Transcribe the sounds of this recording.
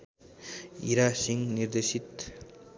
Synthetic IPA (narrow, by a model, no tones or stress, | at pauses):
iɾasiŋniɾd̪esit̪̚